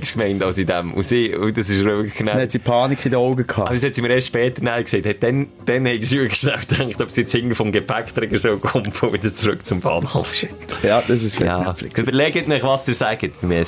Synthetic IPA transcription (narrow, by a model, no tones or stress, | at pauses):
kʃkmɛɪntɑʊsidɛmʊ̰siːʊ̰dɑsɪʃɾøːkknahɛtsipʰɑːnikʰɪdəoʊɡəkʰhɑːɑbshɛtsimiːɾeːʃtʃpɛːtənaɪkseɪthɛt̚d̥ɛnd̥ɛnhɛɪɡsiːbəkʃnawtæŋkχtɔpsiɪt͡shɪŋɡəfɔmɡepʰækt̪ɾɪɡəɾsoːkʊmʊvɪd̪əɾt͡sɾʉkt͡sʊmb̥ɑ̰ːnhɔ̰fʃɪktjɑd̥ɑs̬ɪsfɑnɛflɪ̰købəɾlɛɡətnɪχʋɑsd̥ɪɾsæɡətfɪmɪ